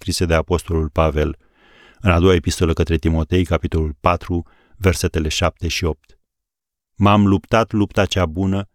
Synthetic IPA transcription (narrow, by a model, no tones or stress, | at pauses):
kɾise̞d̪e̞apo̞st̪o̞lulpave̞l | ɨnad̪o̞waepist̪o̞ləkət̪ɾe̞t̪imo̞t̪e̞jkapit̪o̞lulpat̪ɾu | ve̞rse̞t̪e̞leʃap̚t̪e̞ʃio̞p̚t̪ | mamlupt̪at̪lup̚t̪at͡ʃabunə